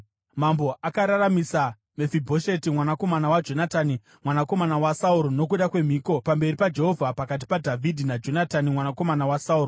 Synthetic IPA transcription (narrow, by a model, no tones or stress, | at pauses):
mambo̞ʔakaɾaramisa | mefibʱoʃe̞timwanako̞manawad͡ʒo̞nataːni | mwanako̞manawasauɾono̞k̬uɗakwe̞m̤iːko̞pambe̞ripad͡ʒe̞ɦo̞vʱapakat̬i̥padʱavʱidʱinad͡ʒo̞natanimwanako̞manawasauːro